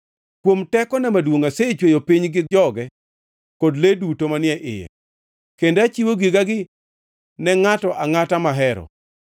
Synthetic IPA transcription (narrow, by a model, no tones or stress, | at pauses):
kwomtɛkɔnɛmadwoŋaset͡ʃwejopiɲɡɪd͡ʒɔɡɛ | kodledutomanɪɛʔɪ̰jɛ̰ | kendat͡ʃiwoɡiɡaɡɪ | nɛŋatɔʔaŋatamaɦɛɾɔ̰